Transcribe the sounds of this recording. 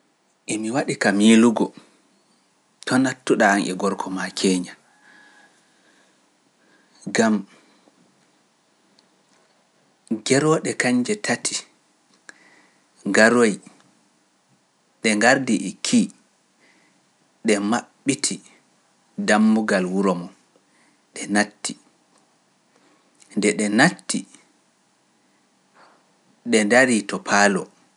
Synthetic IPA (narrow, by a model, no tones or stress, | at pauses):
ʔɛmiwaɗikamiluɡɔ | tʰɔnatːuɗaːnʔɛ̰ɡɔɾkʰɔmakʰɛːɲa | ɡam | ɡɛɾɔɗɛkaɲd͡ʒɛtʰatʰi | ŋɡaɾoj | ɗɛŋɡaɾdiʔkʰi | ɗɛmaɓːitʰi | damːuɡalwuɾɔmɔ | ɗɛnatːi | ndɛɗɛnatːi | ɗɛndaɾiːtɔpʰaːlɔ